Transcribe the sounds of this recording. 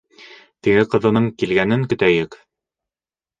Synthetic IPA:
t̪iɡɘqɤ̆ðɤ̆nɤɴkilɡænɘŋkɵ̆t̪æjɘk

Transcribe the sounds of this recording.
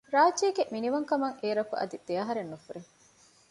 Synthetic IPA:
ɾaːd͡ʒiːɡeminiʋɐŋkɐmɐŋeːɾɐkuʔɐ̰d̪id̪̥eɐɦɐɾenːufuɾeŋ

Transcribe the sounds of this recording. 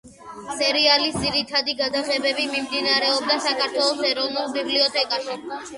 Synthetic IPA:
sɛɾialisd̪ziɾit̪ʰad̪iɡad̪aʁɛbɛbimimd̪inaɾɛɔb̚d̪asakʰaɾt̪ʰwɛlˠɔsɛɾɔvnulˠbibliɔt̪ʰʼɛkʼaʃi

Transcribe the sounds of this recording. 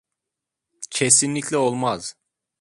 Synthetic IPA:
cʰesinlʲicʰlʲɛolˠmaz̥

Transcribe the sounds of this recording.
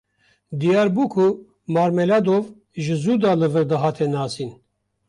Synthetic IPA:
d̪ijɑːɾbukʰu | maːɾmɛlad̪ov | ʒɨzuːd̪aːlɨvɨɾd̪ɨɦɑːt̪ʰɛnɑːsiːn

